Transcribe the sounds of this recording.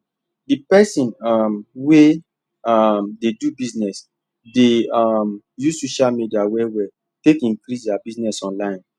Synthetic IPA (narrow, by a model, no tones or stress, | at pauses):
dipɛsĩnamwe | amdedubiznɛs | deam | juzsoʃalmidiawɛwɛ | tekĩŋkɾisdabiznɛsɔ̃nlãɪ̃n